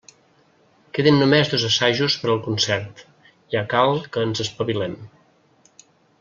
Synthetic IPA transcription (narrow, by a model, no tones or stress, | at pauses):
keðinːumezðozəsaʒuspəɾəlˠkunsɛɾt̪ | iakalˠkəːnzəspəβilɛm